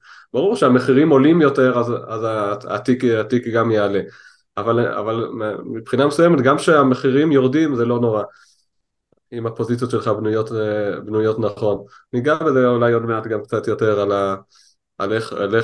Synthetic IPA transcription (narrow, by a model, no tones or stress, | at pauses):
b̥aʁuʁʃeame̞χiʁimo̞limjo̞te̞ʁazazaa̰tikatikɡamjeale̞ | avala̰valmipχinamesujemetɡamʃeame̞χiʁimjo̞ʁdimzelo̞no̞ʁa | imapo̞zit͡sjotʃelχabnujotbnujo̞tnaχo̞nːiɡabezeolajo̞dmeatɡamkt͡satjo̞te̞ʁala | aleale